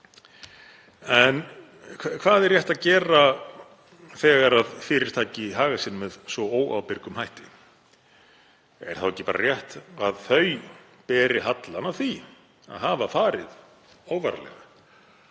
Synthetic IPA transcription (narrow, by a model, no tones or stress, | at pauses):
ɛnʰ | kʰvaːðɛrjɛht̪aðcɛːɾa | θɛːɣaɾaðfɪɾɪɾ̥t̪ʰaːjcɪɦaːɣasɪnmɛðsvɔoːwa̰wpɪɾkʏmhajht̪ɪ | ɛ̰ɾ̥θawɛcːɪpaːɾa̰rjɛht̪aðθœɥ | pɛːɾɪɦat̪lanaθi | a̰ðɦaːvafaːɾɪð | oːwvaɾalɛ̰ɣa